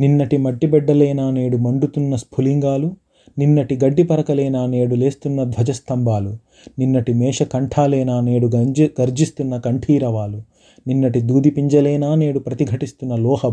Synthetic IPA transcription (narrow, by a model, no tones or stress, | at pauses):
ninːɐʈimɐɖːibɛɖːɐlɛːnaːneːɽumɐɳɖut̪unːɐspʰuliŋɡaːlu | ninːɐʈiɡɐɖːipɐɾɐkɐlɛːnaːneːɽule̞ːst̪unːɐd̪ʋɐd͡ʒɐst̪ɐmbaːlu | ninːɐʈimɛːʂɐkɐɳʈʰaːlɛːnaːneːɽuɡɐɾd͡ʒist̪unːɐkɐɳʈʰiːɾɐʋaːlu | ninːɐʈid̪uːd̪ipiɲd͡ʒɐlɛːnaːne̞ːɽupɾɐt̪iɡʱɐʈist̪unːɐlɔːhɐ